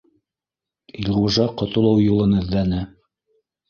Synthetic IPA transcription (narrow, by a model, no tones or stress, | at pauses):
ilʁuʒɑqŏt̪ŏlˠɤwjulˠɤnɘ̆ðːænɘ